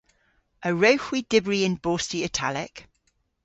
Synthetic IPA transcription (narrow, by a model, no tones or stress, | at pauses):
əɹəʊxwidɪbɹiɪ̃nb̥ɔːˑstiətʰa̰lɪk